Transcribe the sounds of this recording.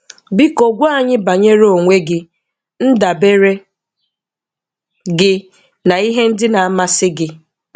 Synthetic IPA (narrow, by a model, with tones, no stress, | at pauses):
bi˦ko˨ɡʷu˦a˦ɲɪ˦ba˨ɲe˦ɾo˨ŋʷe˦ɡɪ˦ | n̩˦da˨be˦ɾe˦ | ɡɪ˦ | na˨i˦ɦe˦n̩˦dɪ˦na˨a˦ma˦sɪ˦ɡɪ˦